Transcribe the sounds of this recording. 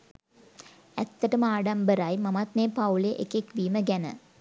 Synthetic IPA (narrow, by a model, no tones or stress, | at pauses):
ɛt̪ːəʈɐmaːɖambəɾajmɐmat̪neːpawleʔekekʋiːməɡɛnə̰